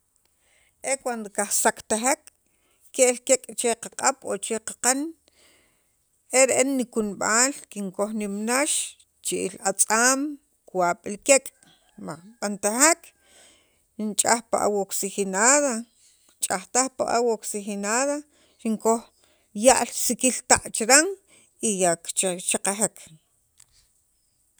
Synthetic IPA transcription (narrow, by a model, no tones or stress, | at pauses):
ekwand̪okaχsakt̪aɦakː | eʔlkekʼt͡ʃeqaqʼaɓ̥ot͡ʃeqḁqan | eɾeʔenːikunɓaːlkiŋkoχnimnaʃ | t͡ʃiʔilat͡sʼaːm | kwaɓ̥ilkekʼ | maɓant̪ahak | nt͡ʃʼaxpa̰ʔa̰woksixinaða | t͡ʃʼaχt̪aχpa̰ʔa̰woksixinaða | ɾiŋkox | jaʔlsikilt̪aʔt͡ʃɾaŋ | ijakt͡ʃaqaɦekʰ